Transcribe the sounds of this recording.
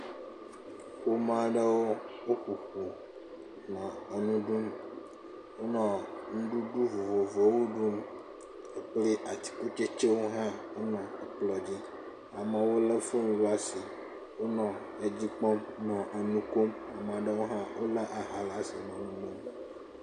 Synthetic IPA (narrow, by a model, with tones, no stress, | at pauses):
wo˦mã˦ɖɛ˦wo˦wo˦xu˨xu˨ | nɔ̃˨e˨nũ˦ɖu˦m | wo˦nɔ̃˨ŋũ˦ɖu˦ɖu˦vo˨vo˨vo˨wu˦ɖu˦m | e˦k͡ple˦ʔa˨t̪i̥˨ku˦t͡ʃe˦t͡ʃe˦wo˦ɦã˦wo˦nɔ̃˨ɛ˨k͡plɔ˨d͡ʑi˦ | a˨mɛ̃˨wo˦le˦fo˦ñ˦lu˦a˨si˨ | wo˦nɔ̃˨ | e˨d͡ʑi˦k͡pɔ˦mnɔ̃˨ʔe˨nũ˦ko˦ma˨m˨ã˨ɖe˦wo˦ɦã˦wo˦la˦ʔa˨ɦa˨la˦si˨nɔ̃˨nũ˦nẽ˦m˨